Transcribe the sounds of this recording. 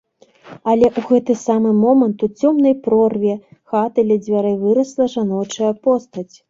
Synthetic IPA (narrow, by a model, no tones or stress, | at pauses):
ɐlʲɛʔuɣɛt̪ɨsamɨmɔmɐnt̪ut͡sʲɔmnɐjpɾɔrvʲjɛxat̪ɨlʲɛd͡zʲvʲaɾɨvɨɾɐslˠɐʐanɔt͡ʂɐjɐpɔst̪ɐt͡sʲ